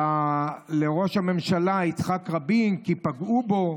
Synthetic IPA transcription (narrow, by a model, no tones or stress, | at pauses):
ale̞ʁoʃhame̞mʃalait͡sχakʁabimkipaɡubo̞